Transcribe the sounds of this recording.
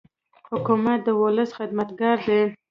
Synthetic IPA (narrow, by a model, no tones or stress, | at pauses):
hʊkumat̪̚d̪əwʊləsxɪd̪mat̪ɡɑɾd̪e